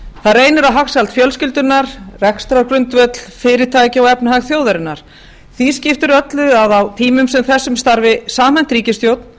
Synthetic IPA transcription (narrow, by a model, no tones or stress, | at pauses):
θaðɾeːjnʏɾaɦaxsalt̪fjœlscɪlt̪ʏnːaɾ̥rɛkst̪ɾakɾʏnt̪vœt̪l̥fɪːɾɪt̪ʰaːcɪɔwɛpnhaɣθjowðaɾɪnːaɾ̥ | θiscɪft̪ʏɾœt̪lʏaðawt̪ʰiːmʏmsɛmθɛsːʏmst̪aɾvɪsaːmɛn̥t̪ɾiːcɪst̪joːwt̪n